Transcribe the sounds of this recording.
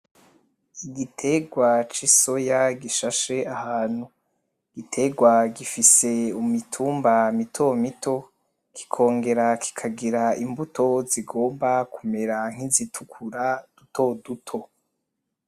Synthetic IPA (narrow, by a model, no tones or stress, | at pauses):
iɡitʰe̞ɡwat͡ʃiso̞jaɡiʃaʃe̞ahaːn̥hu | ɡ̥itʰe̞ɡwaɡifise̞umitʰuːmbamitʰo̞mito̞ | kʰi̥kʰo̞ːŋɡe̞ɾakʰi̥kʰaɡiɾaimbutʰo̞ziɡo̞ːmbakume̞ɾaŋ̥izitʰukʰuɾad̥uto̞dutʰo̞